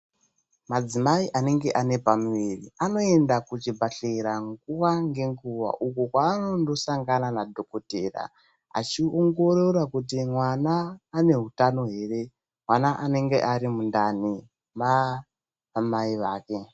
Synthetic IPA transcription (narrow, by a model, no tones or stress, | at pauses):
mad͡zimaiʔane̞ŋɡe̞ʔane̞pamuʋiriano̞e̞ndakut͡ʃibʱaɬeɾaŋɡuwaŋɡe̞ŋɡuʋa̰ʔukokwaːno̞ndo̞saŋɡananadʱo̞ko̞te̞ːra̰ | a̰t͡ʃioŋɡo̞rorakut̬imwanaːne̞ɦutano̞ɦe̞ːre̞ | mwanaʔane̞ŋɡe̞ʔaɾimundani | ma | amaiʋaːke̞